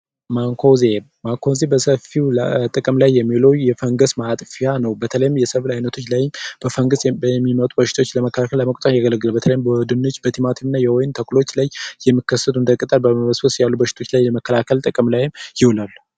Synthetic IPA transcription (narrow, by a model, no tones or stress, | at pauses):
maŋkʰozeː | aŋkʰo̞zebəsəfiwt̪ʼɨkʼɨmlajːɛmːilowjjɛfəŋɡəsmat̪ʼfijanəwbət̪ʰələjɪmjɛsəβlajnət̪ʰo̞t͡ʃːlajɪmb̥əfəŋɡəsmːimət̪ʼubəʃɪt̪ʰot͡ʃːləməkːəlakʰəlːəməkʼt̪ʼənjaɡələɡːɨlabət̪ʰələjɪmbəwd̪ɨnːot͡ʃːbət̪ʰimat̪ʰimɨnːajɛwojɪnt̪ʰəkʰʼulo̞t͡ʃːlajːɛmːiɨkːəsət̪ʰuɨnd̪əkʼɨt̪ʼalbəməməsfəsjalːubəʃɪ̥t̪ʰo̞t͡ʃːlajləməkʰːəlakʰəlt̪ʼɨkʼɨmlajɪmjɪwlalːu